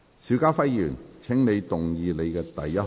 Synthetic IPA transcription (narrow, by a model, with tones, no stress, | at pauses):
siː˨˥wkaː˥fɐ˥jjyː˨˩nt͡sʰɪ˨˥ŋne˨˧jt̪ʊ˨ŋjiː˨˧le˨˧jkɛː˧t̪ɐ˨jːɐ˥t̚